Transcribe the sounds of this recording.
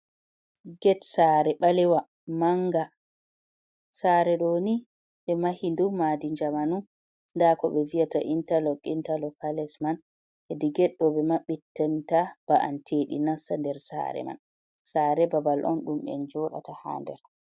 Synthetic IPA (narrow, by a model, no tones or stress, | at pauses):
ɡɛtsaːɾɛɓalɛwa | maŋɡa | saːɾɛɗoni | ɓɛmahindumaːdid͡ʒamanun | ndakɔɓɛviata̰ʔintalɔkʼːintalɔkalɛsman | ʔɛdiɡɛɗːɔbɛmaɓitːɛntab̥aʔa̰ntʰeːɗḭnasːandɛɾsa̰ɾɛ̰ma̰n | saːɾɛbabalʔɔ̰nɗumɓɛ̰nd͡ʒɔːɗa̰taha̰ːndɛ̰ɾ